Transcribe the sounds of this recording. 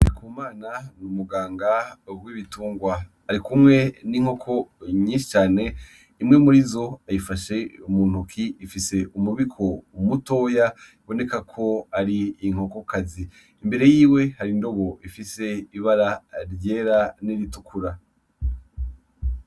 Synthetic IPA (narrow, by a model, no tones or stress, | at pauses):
aɾikʰuːmaːnanumuɡaːŋɡawiβituːŋɡwa | aɾikumŋe̞niŋ̥ho̞kʰo̞ɲiːnʃi̥t͡ʃaːne̞ | imŋemuɾizo̞ajifaʃe̞umuːn̥ukʰiːfise̞umuβikʰo̞muto̞ːjaiβo̞ne̞kakʰo̞aɾiːŋ̥o̞ko̞kaziː | mbe̞ɾe̞jiːwe̞haɾindo̞βo̞ʔifise̞iβaɾaɾje̞ːɾaniɾitukʰuɾa